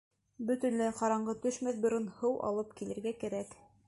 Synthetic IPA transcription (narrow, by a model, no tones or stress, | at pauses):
bɵ̆t̪ɵ̆nlɘqɑɾɑɴɢɤt̪ɵʃmæθbŏɾɤnhɤwʔɑ̰lˠɤpkilɘ̆ɾɡækæɾæk